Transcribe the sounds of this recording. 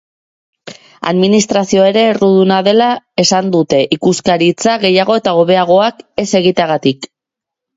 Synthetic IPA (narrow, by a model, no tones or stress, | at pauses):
a̰ðminist̪ɾasio̞e̞ɾe̞ːruðunaðe̞lae̞sand̪ut̪e̞ʔikuskaɾit͡saɣe̞jaɣ̞o̞e̞t̪aoβe̞aɣ̞o̞ake̞se̞ɣ̞it̪eaɣat̪ik